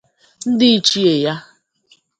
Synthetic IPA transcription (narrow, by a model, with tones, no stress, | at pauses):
n̩˦dɪ˦i˦t͡ʃi˦e˨ja˦